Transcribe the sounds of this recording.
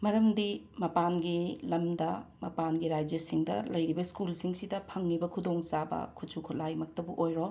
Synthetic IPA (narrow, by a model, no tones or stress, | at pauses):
mɐɾɐmdimɐpanɡilɐmdɐmɐpanɡiɾajd͡ʒjɐsiŋdɐ̰lɐjɾibɐskulsiŋsidɐpʰɐŋnibɐkʰudoŋt͡ʃabɐ̰kʰut͡ʃʰukʰulajmɐk̚tɐbuʔojɾo